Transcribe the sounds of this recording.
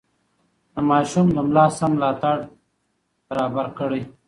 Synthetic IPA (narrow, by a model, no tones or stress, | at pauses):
d̪əmɑːʃumləmlaːsamlaːt̪aɽ | b̥aɾaːbaɾkəɽe